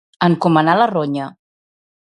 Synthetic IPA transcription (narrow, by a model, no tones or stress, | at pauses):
əŋkumənaləroɲə